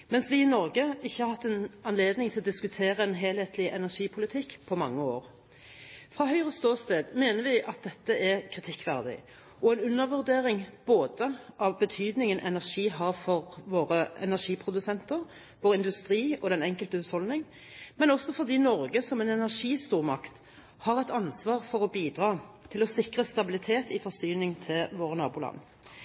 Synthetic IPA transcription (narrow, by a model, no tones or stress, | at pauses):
mɛnsʋɪɪnɔɾɡəɪçːəhɑɾhɑt̪ːɛnɑnleːd̪nɪŋt̪ʰɪlɔd̪ɪskʉt̪ʰeːɾəɛnɦeːlheːt̪ʰlɪʔɛnæʂiːpʰʊlɪt̪ʰɪkːpʰɔmɑŋːəo̰ːɾ | fʁɑːɦœʏʁəst̪oːst̪eːd̪meːnəɾʋɪʔɑt̪̚d̪ɛt̪ːəʔɛkʰʁɪt̪ʰɪkːʋæʁd̪ɪ̰ | ʔɔɛnʉnːəʁʋʉʁd̪eːɾɪŋb̥oːd̪əʔɑʋbət̪ʰyːd̪nɪŋənʔɛnæʁʂiːɦɑʁfɔʁʋoːɾəɛ̰næʁʂiːpʰʁʊd̪ʉsɛnt̪əʁ | ʋoːʁɪnd̪ʉst̪ʁiːɔd̪ɛnɛŋkəlt̪əʉshɔlnɪŋ | mɛnɔsːɔfɔʁd̪iːnɔʁɡəsɔmɛnɛnæʁʂiːst̪uːʁmɑ̰kt̪ | hɑʁɛt̪ɑnsʋɑːʁfɔʁɔbiːd̪ʁɑːt̪ʰɪlɔsɪkʁəst̪ɑbɪlɪt̪ʰeːt̪ʰɪfɔʁsyːnɪŋt̪ʰɪlʋoːʁənɑːbuːlɑ̰nː